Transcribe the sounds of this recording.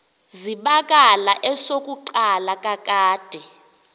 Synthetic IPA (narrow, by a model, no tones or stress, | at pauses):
ziɓakʼalaʔɛsokʼuǃalakʼakʼaːd̥ʱɛ